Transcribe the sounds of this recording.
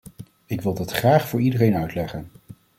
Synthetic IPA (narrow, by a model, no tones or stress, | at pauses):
ɪkʋɪlˠdɑtχraːχfʊːɹidərejnœɥtlɛχən